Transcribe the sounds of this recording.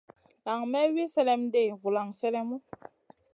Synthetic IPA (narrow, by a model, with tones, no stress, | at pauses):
la˨ŋmɛ˦wi˦sɛ˦lɛ˦mde˦˨ɣu˨la˨ŋsɛ˦lɛ˦mu˦